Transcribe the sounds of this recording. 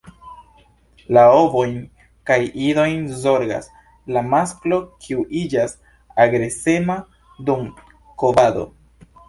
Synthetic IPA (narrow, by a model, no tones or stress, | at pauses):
lao̞vo̞jn | kajʔiɾo̞jnzo̞ɾɡa̰s | lamasklo̞kʰiuʔid͡ʒas | aɡɾe̞se̞ma | dum | kobado̞̰